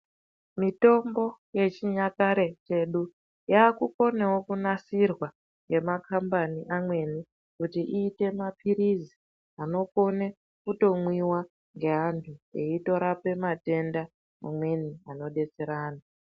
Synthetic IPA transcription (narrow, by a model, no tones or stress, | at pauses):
mito̞mbo̞je̞t͡ʃiɲakaɾe̞t͡ʃe̞ɗu | jaːkuko̞ne̞wo̞kunasirwa | ŋɡe̞makʰambaniʔamwe̞ni | kutiʔiːte̞mapʰiɾizi | ano̞ko̞ne | kuto̞mwiwa | ŋɡe̞ɦantʰuḛito̞ɾape̞mate̞nda | ma̰mwe̞niano̞ɗe̞t͡se̞ɾaːna